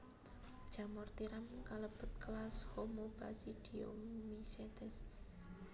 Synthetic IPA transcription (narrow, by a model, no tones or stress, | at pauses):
d͡ʒ̥a̤mɔrt̪iɾamkaləb̥ʊ̤t̪̚klashomobasid̥io̰miset̪ɛs